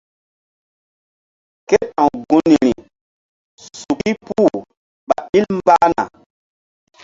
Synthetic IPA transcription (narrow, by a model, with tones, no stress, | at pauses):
ke˦pã˨ɡu˨ni˨ɾi˨ | su˨ki˦puː˦ | ɓa̰˨i˦lmba˦na̰˨